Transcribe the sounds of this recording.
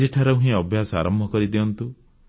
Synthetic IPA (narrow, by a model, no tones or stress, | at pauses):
eʈʰaɾeũɦĩɔbʱjasɔa̰ɾɔmbʱɔkɔɾid̪iɔnt̪u